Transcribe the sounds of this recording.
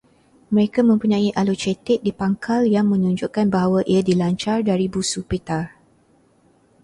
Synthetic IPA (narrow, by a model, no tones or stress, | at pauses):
mə̃ɾekamə̃mpuɲãiʔalot͡ʃɛt̪ɪk̚dipaŋkʰaljaŋmə̃ɲuɲd͡ʒʊʔkanbaɦawaʔiadilaɲt͡ʃardaɾibusupit̪ar